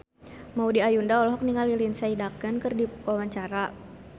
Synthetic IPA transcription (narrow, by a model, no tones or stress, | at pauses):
maudiajundaɔlɔɦɔk̚niŋalilinsaidakənkərdiwawaɲt͡ʃaɾa